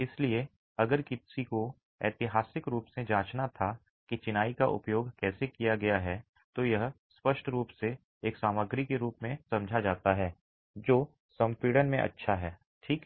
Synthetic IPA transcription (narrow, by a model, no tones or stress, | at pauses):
ɪslie | ɐɡəɾkɪsiko | ɛ̰ːt̪ɪɦaːsɪkɾuːpsed͡ʒãːt͡ʃnat̪ʰa | kit͡ʃɪnaːika̰ʔʊ̰pjoːɡkɛːsekijaɡɐjaɦɛ | t̪ojɐɦ | spɐʃʈɾuːpse | eːksaːməɡɾikeɾuːpmẽsɐ̃md͡ʒʱad͡ʒaːt̪aɦɛː | d͡ʒoː | sɐ̃mpiːɽənmẽʔɐ̰tːʃʰaɦɛː | ʈʰiːk